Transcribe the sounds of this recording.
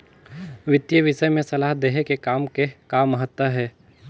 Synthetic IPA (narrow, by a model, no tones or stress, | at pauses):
ʋɪt̪jəʋɪʃəjmẽsɐlaːɦd̪eːɦekekaːmkekaːmːɐɦət̪wəɦɛː